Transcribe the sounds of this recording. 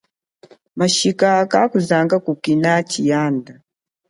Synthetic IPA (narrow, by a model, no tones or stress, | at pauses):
maʃikakakuzaŋɡakukinat͡ʃijanda